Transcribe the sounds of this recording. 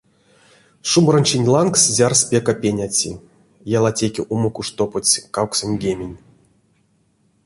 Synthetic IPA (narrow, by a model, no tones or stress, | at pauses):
ʂumɾə̆nʲt͡ɕinʲlˠankszʲarspʲekapʲenʲat͡sʲḭ | jalˠatʲekʲiʔuməkuʂt̪opot͡sʲkawksonʲɡʲemʲenʲ